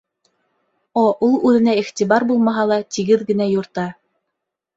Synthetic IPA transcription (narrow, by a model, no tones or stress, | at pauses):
oʔulˠʉðɘ̆næiχt̪ʲibɑɾbulˠmɑɦɑlˠɑt̪iɡɘðɡɘ̆næjuɾt̪ɑ